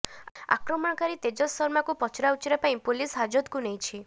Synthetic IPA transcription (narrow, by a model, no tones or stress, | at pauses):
a̰kɾɔmɔɽ̃ɔkaɾit̪ed͡ʒɔsɔɾmakupɔt͡ʃɾawt͡ʃiɾepãĩpolisɦad͡ʒɔd̪kunejt͡ʃʰi